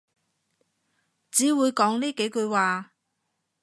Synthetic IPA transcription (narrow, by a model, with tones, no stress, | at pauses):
t͡siː˨˥wuː˨˧jkɔː˨˥ŋniː˥ke˨˥jkɵ˧ɥwaː˨